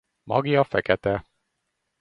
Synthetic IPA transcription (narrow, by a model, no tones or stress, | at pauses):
mɒ̰ɡijɒfɛkɛt̪ɛ